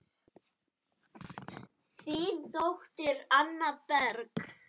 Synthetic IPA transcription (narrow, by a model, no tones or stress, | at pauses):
θit̪owht̪ɪɾanːapɛɾk